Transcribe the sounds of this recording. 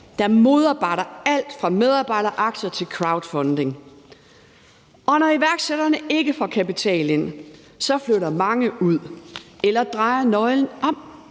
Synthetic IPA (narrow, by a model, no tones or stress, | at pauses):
d̥ɑ̈mo̝ð̞ˠɑ̈ːb̥ɑ̈ɪ̰ɾ̥ɐæl̰d̥fʁɑ̈með̞ˠɑ̈ːb̥ɑ̈ɪ̰ɾɐʔɑ̈ɡ̥sɐt͡sʰe̝lkʰʁɑ̈ʊd̥fɒ̽nd̥e̝ŋ | ɒ̽nɒiʋæɐɡ̥seɾɐnəe̝ɡ̥əfɒ̽kʰæpit͡sʰɛ̰ːlen | sɒ̽fløɾɐmɑ̈ŋəuð̰ˠelɐd̥ʁɑ̈ɪɐnɒ̽ɪln̩ɒ̽m